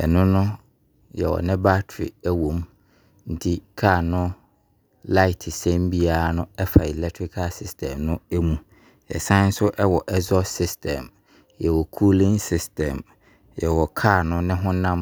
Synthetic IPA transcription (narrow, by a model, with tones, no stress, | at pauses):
ɛ̰˨nʊ̃˦nʊ̃˦ | jɛ̰˨wɔ̰˨nɪ̃˦ba˦tʰɾḭ˨æ˦wõ˨m | n̩˦tʰi˦kʰaː˦˨nʊ̃˦ | la˦ɪ˨tʰɪ˨sɛ̃˦m˦bi˦a˨˦nʊ̃˦ɛ˦fa˨i˨lɛ˦tʰɾi˦kʰa˦sɪ˦stʰɛ̃˨mnʊ̃˦æ˦mũ˨ | jɛ̰˨sã˦n̩˦sʊ˦ʔɛ˦wɔ˨ʔɛ˦zɔ˦sɪ˦stʰɛ̃˨m | jɛ˨wɔ˨kʰu˦lɪ̃˦ŋsɪ˦stʰɛ̃˨m | jɛ˨wɔ˨kʰaː˦˨nʊ̃˦nɪ̃˦ɦʊ̃˦nã˦m